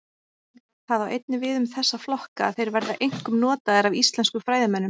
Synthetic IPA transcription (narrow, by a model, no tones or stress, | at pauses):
θaðawʔejt̪̚nɪvɪðʏmθɛsːaflɔhkaːðθejɾvɛɾðaʔejŋ̥kʏmnɔːt̪aðɪɾavist̪lɛnskʏfɾaːjðɪmɛnːʏm